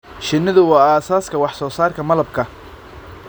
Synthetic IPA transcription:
ʃɪnːɐðʊwɑːaːsaːskʰɐwɑħsɔːsaːrkʰɐmɐlɐbkʰɐ

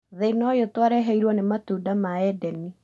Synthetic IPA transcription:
ðenɔjotwaɾɛɦɛiɾwɔnematuːdamaɛdɛni

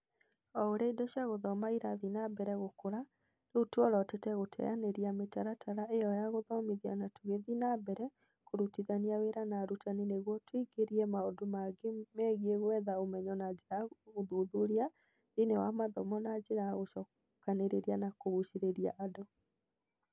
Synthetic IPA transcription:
ɔoɾeidoɕjaɣoðɔmaiɾaðinabɛɾɛɣokoɾa | nutwɔɾɔtetɛɣotʰɛ̰janeɾiametaɾatʰaɾaʔejɔjaɣoðɔmiðia̰natuɣeðinabɛɾɛ | koɾutiðaniaweɾanaɾutanineɣwɔtwiɡeɾiɛmaodomaɡemɛɣieɣwɛðaomɛɲɔnad͡ʑeɾaoðuðuɾia | inewamaðɔ̰mɔnad͡ʒeɾaɣoʃɔ | kaneɾeɾianakoɣuʃiɾeɾia̰ʔːdo

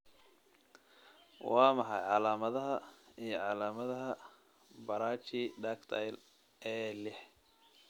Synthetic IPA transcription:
wɑːmɐħɑjʕɑlaːmɐðɐɦɐijɞʕɑlaːmɐðɐɦɐ | bɐɾaːt͡ʃɪɖaːkt̪ʰɐ̰jl | ʔɛːlɛħ

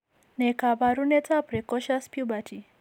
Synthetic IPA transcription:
nekabaɾunet͡sapɾikɔʃaspjubatʰi

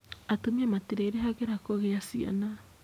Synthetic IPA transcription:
atomiamatiɾeiɾeɦaɣeɾakoɣeasia̰na

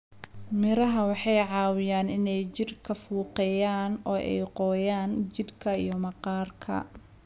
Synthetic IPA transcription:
mɪɾɐɦɐwɑħɑjʕɑːwɪjaːnɪnɛjt͡ʃɪrkʰɐfuːqɛjaːnɔːʔɛ̰jqɔːjaːnt͡ʃɪd̪kʰɐijɞmɐqɑːrkʰɐ̰

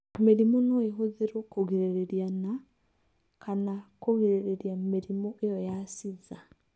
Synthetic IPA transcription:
meɾimɔnɔeɦoðeɾɔkoɣiɾeɾeɾjana | kanakoɣiɾeɾeɾiameɾimɔʔejɔjasiða

